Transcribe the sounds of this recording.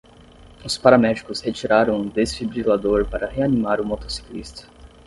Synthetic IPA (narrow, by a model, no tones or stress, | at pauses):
ʊspaɾamɛd͡ʒikʊshet͡ʃiɾaɾɐ̃w̃ũd̪esfibɾilad̪oɾpaɾɐɦeanimaɾʊmot̪osi̥klist̪ɐ̥